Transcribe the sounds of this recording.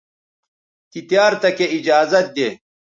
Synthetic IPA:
k̪it̪jaːɾt̪ɐkeid͡ʑaːzɐt̪̚d̪eː

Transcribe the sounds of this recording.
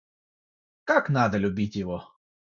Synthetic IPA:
kaknɑd̪ɐlʲʊbʲitʲjɪʋɔ

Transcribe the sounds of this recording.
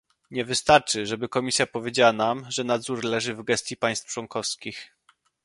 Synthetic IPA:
ɲɛvɘst̪aɾt͡ʂɘʐɛbɘkɔmʲisʲjapɔvʲjed͡ʑawanamʐɛnad̪zuɾlɛʐɘvɡɛst̪ʲjipaj̃st̪ft͡ʂwɔŋkɔfskʲix

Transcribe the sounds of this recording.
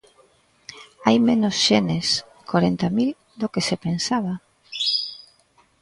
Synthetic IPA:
ajmenosʃenes | koɾent̪amil | d̪okesepensaβa

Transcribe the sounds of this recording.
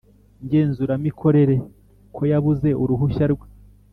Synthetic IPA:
ɲɟe̞ːnzuɾamikʰo̞ɾe̞ɾe̞ | kʰo̞jaβuze̞ʔuɾuɦuʃaɾɡwe

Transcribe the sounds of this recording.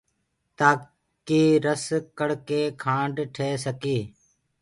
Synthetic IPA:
t̪aː | kiːɾəskəɽkeːkʰãːɳɖʈʰeːsəkeː

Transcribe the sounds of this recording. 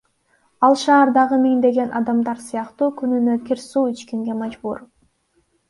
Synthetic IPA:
ɑlˠʃɑːɾd̪ɑʁɯmiŋd̪e̞ɡe̞nʔɑ̰d̪ɑmd̪ɑɾsɯjɑqt̪uːkynynøkʲiɾsuːit͡ʃkiŋɡe̞mɑd͡ʒbṵɾ

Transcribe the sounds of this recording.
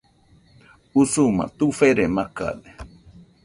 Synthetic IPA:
usumã̰t̪ufeɾemaka̰ðe

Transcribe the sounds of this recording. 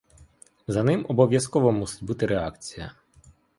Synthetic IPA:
zɐnɪmɔbɔʋʲjɐskɔʋɔmusɪ̥tʲbut̪ɪɾeakt͡sʲijɐ̰

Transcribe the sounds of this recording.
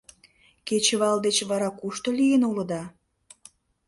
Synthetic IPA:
ket͡ɕəβɑld̪et͡ɕβɑɾɑkuʃt̪olijenolə̆d̪ɑ

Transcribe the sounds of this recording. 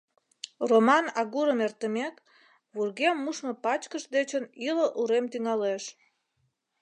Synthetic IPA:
romɑnɑɣuɾəmert̪əmek | βurɣemːuʃməpɑt͡ɕkəʃd̪et͡ɕəniləʔuɾemt̪yŋɑleʃ

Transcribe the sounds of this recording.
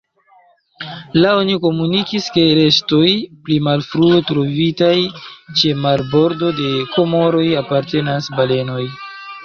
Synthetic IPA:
laoniko̞munikiske̞ɾe̞stojplimalfɾuetɾo̞vitajt͡ʃe̞maɾbo̞ɾdo̞de̞ko̞mo̞ɾo̞japaɾte̞nasbale̞no̞j

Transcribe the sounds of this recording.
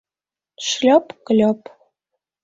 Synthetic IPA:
ʃlʲɑpkɤ̆lʲɑp

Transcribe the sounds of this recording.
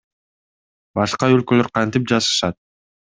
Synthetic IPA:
bɑʃqɑølkølø̞ɾqʰɑnt̪ip̚d͡ʒɑzɯ̥ʃɑt̪̚

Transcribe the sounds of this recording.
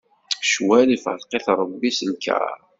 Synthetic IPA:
ʃwælifə̰lqeθɾˤəbːisəlkæ̰ɾˤ

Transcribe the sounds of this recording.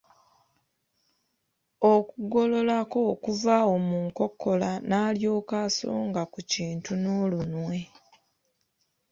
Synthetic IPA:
okuɡo̞lo̞lako̞kuvaomuːŋko̞kʰːo̞lanaːljo̞ːkaːso̰ːŋɡakuciːntunoːlunwe̞

